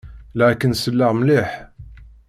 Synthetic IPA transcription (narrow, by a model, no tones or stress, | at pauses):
læʕækːənsəlːəʁmliħ